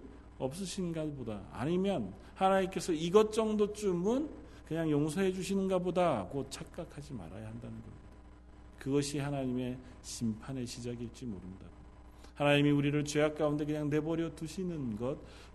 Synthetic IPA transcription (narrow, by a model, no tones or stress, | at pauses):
ʌp̚s͈ɯɕʰinnɡaboda̰ːɲimjʌn | hanaɲimk͈e̞sʰʌiɡʌt̚t͡ɕ͈ʌŋdot͡ɕ͈umɯn | kɯɲaŋjoŋsʰʌɦe̞d͡ʑuɕʰinɯnɡabodaɡot͡ɕʰak̚k͈akʰad͡ʑima̰ɾajahandanɯnɡʌmid̥a | kɯɡʌɕʰihanaɲime̞ | ɕʰimpʰane̞ɕʰid͡ʑaɡit͡ɕ͈imoɾɯnda̰ɡo | hanaɲimiuɾiɾɯɭt͡ɕe̞ak̚k͈aunde̞k̬ɯɲaŋne̞bʌɾjʌtuɕʰinɯnɡʌt̚